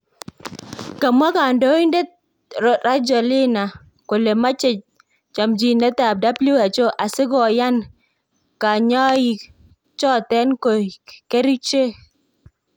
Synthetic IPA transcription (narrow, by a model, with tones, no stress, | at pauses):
ka˨ma˦ka˨ndo˦i˦nde˦t̚ | ɾɔ˨ɾa˦d͡ʒɔ˨lɪ˦na˨ | ko˨le˨ma˦t͡ʃe˦ | t͡ʃa˨md͡ʒi˨nɛ˦ta˨p̚da˦blu˦a˨t͡ʃo˦ʔa˨sɪ˦ɡɔ˨ja˦n | ka˨ɲɔ˦ji˨ | t͡ʃɔ˦˨tɛ˦nko˨ke˦ɾi˦t͡ʃe˦